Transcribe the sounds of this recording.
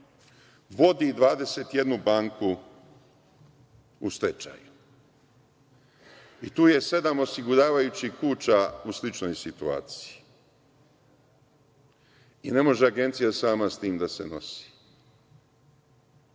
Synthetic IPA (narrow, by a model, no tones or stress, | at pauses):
ʋo̞d̪id̪ʋaːd̪e̞se̞t̪je̞d̪nubaːŋku | ust̪e̞t͡ʃa̰ju | it̪uːje̞se̞d̪amo̞siɡuɾaːʋajut͡ɕikuːt͡ɕauslit͡ʃno̞jsit̪ua̰ːt̪si̥ji | ine̞mo̞ʒeaɡe̞nt̪sijasaːmast̪iːmd̪asḛno̞si̥